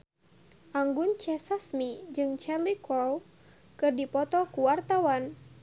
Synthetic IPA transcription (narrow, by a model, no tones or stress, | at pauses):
ʔaŋɡʊnt͡ʃɛsasmid͡ʒɨŋt͡ʃɛlikɔl | kɨrdipɔt̪ɔkuwart̪awan